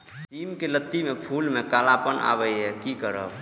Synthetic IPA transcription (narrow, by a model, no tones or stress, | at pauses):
simkelət̪ːimepʰulmekalapənʔa̰bəjɦɛkikəɾə̰b